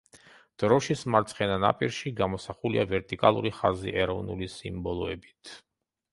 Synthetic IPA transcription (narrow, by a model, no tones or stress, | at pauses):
d̪̥ɾɔʃismaɾt̪sʰχɛnana̰pʼiɾʃiɡamɔsaχuliavɛɾt̪ʼikʼalˠuɾiχazḭʔɛɾɔvnulisimbɔlˠɔɛbit̪ʰ